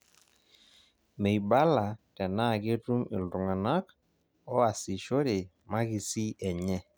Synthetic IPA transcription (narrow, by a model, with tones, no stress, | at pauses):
me˨jba˦la˨tɛ˨na˦˨ke˦tu˦mɪ˨ldʊ˨ŋa˨na˦k | ɔ˦a˨si˨ʃo˦ɾe˨ | ma˦ɣi˦si˦ɛ˨ɲɛ˦